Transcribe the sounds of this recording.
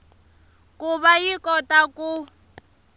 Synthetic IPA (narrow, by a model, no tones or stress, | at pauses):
kʼuβajikɔtakʼu